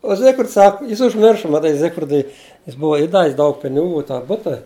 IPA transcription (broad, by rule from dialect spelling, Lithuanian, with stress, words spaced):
oː ˈzʲɪkfʲrʲɪts ˈsɐk ˈjɪs ʊʒʲˈmʲɪrʃɐ mɐˈtɐɪ ˈzʲɪkfʲrʲɪdʊɪ jɪs ˈbʊʋɐ iːˈdɑːʋʲɪs ˈdɐʊk pʲɪnʲɪˈɡuː ɪ tɑː ˈbʊtɐ